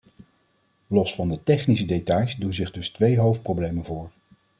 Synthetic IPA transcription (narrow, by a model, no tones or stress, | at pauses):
lɔsfɑndətɛχnisədetɑjsdunzɪχdɵstʋejɦowft̚prowblejmənvʊːɹ